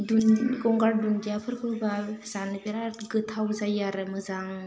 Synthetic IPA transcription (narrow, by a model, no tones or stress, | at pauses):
dunɡɔŋɡaɾdundiapʰɯɾkʰɯbaz̥anɯbeɾaɡɯtʰawzajaɾɯmɯzaŋ